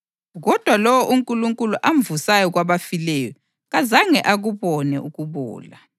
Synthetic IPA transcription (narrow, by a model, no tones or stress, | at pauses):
ɣɔd̥ʱwalɔwɔʔuŋkʼuluŋkʼuluʔam̩vusajɔɣ̬waβafilɛjɔ | ɣazaŋɛʔaɣuβɔnɛʔuɣuβɔ̰ːla̰